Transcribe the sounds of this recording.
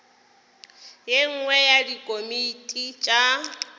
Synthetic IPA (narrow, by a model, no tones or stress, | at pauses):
jeŋ̩ŋwɛjadikʼomitʼit͡ʃʼa